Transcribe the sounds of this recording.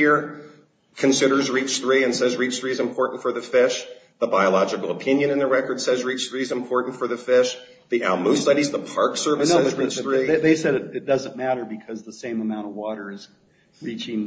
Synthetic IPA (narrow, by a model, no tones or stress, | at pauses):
ɪɹ | kʰɨ̃nsɪɾə˞zɹit͡ʃθɹiɨ̃nsɛzɹit͡ʃθɹiɨzɨ̃mpʰɔɹʔn̩tfə˞ðɨfɪʃ | ðəbaɪəlɑd͡ʒɨkl̩ˠəpʰɪ̃njɨ̃nɨ̃nðəɹɛkə˞d̥sɛzɹit͡ʃθɹiɨzɨ̃mpʰɔɹʔn̩tfə˞ðɨfɪʃ | ðiʔælˠmustʌɾizðəpʰɑɹksɜ˞vɨsoɨzɹit͡ʃθɹiðeɪsɛɾɨt̚ɨt̚d̥ʌzɨ̃nmæɾə˞bɨkʰʌzðəsẽɪ̃məmãʊ̃ɾ̃ʌvwɔɾə˞z | ɹit͡ʃɪ̃ŋ